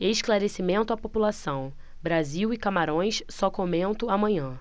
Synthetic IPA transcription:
eɪʃklaɾesimẽnt̪ʊapopulasɐ̃w̃ | bɾaziwɪkamaɾõj̃ssɔkomẽnt̪ʊamɐ̃ɲɐ̃

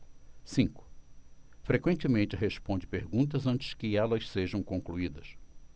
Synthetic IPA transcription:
sĩŋkʊ̥ | fɾekwẽnt͡ʃɪmẽnt͡ʃɪɦespõnd͡ʒɪpeɾɡũt̪ɐzɐ̃nt͡ʃɪ̥skɪɛlɐsseʒɐ̃w̃kõkluid̪ɐs

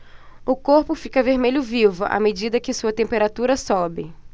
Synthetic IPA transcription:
ʊkoɾpʊfikɐveɾmeʎʊvivʊʔa̰med͡ʒid̪ɐkɪsuɐt̪ẽmpeɾat̪uɾɐsɔbɪ

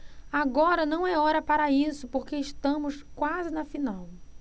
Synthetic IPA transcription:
aɡɔɾɐnɐ̃w̃ɛɔɾɐpaɾɐisʊpoɾkeɪʃt̪ɐ̃mʊskwazɪnɐfinaw

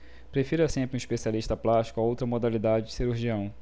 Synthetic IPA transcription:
pɾefiɾɐsẽmpɾɪũiʃpesialiʃt̪ɐplaʃt͡ʃkʊaowt̪ɾɐmod̪alid̪ad͡ʒɪd͡ʒɪ̥siɾuɾʒiɐ̃w̃

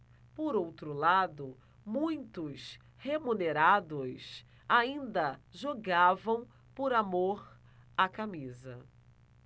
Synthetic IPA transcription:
poɾowt̪ɾʊlad̪ʊ | mũj̃t̪ʊs | hemuneɾad̪ʊs | aĩnd̪ɐʒoɡavɐ̃w̃ | poɾamoɾ | akamizɐ

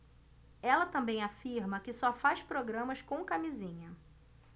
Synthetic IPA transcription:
ɛlɐt̪ɐ̃mbẽj̃afiɾmɐkɪsɔfajʃpɾoɡɾɐ̃mɐskõw̃kamizĩɲɐ

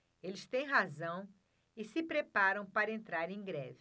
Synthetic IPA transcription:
elɪst̪ẽj̃ɦazɐ̃w̃ | ɪsɪpɾepaɾɐ̃w̃paɾɐẽnt̪ɾaɾẽj̃ɡɾɛ̰vi

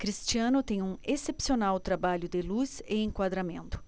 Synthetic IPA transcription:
kɾist͡ʃiɐ̃nʊt̪ẽj̃ũesepsionawt̪ɾabaʎʊd̪ɪluzeẽŋkwad̪ɾamḛ̃nt̪ʊ̥

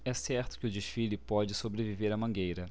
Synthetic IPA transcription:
ɛsɛɾt̪ʊ̥kɪʊd͡ʒɪʃfilɪpɔd͡ʒɪsobɾeviveɾɐmɐ̃ŋɡejɾɐ

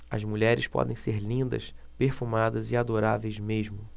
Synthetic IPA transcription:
ɐ̰zmuʎɛɾɪspɔ̰d̪ẽj̃seɾlĩnd̪ɐ̰speɾfumad̪ɐzɪad̪oɾavejzmeʒmʊ

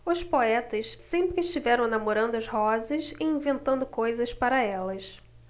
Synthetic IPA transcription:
ʊspoɛt̪ɐssẽmpɾɪːʃt͡ʃivɛɾɐ̃w̃namoɾɐ̃nd̪ʊɐzɦɔzɐsɪĩvẽnt̪ɐ̃nd̪ʊkojzɐspaɾɐɛlɐs

